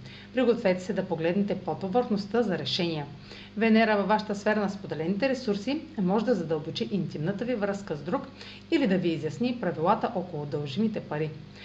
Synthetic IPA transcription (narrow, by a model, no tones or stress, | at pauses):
pɾiɡot̪ovɛt̪ɛ̥sɛd̪ɐpoɡlɛd̪nɛt̪ɛpɔt̪ovəɾxnost̪əzɐɾɛʃɛnijɛ | vɛnɛɾəvɐvːaʃə̥t̪əsfɛɾɐnɐspod̪ɛlɛnit̪ɛɾɛsuɾsimɔʒɛd̪ɐzɐd̪əlˠbot͡ʃiʔint̪imnət̪əvivɾəskəzd̪ɾuk | ilid̪ɐviːzjɐsnipɾɐvilˠat̪əʔɔkolˠʊd̪əlˠʒimit̪ɛpɐɾi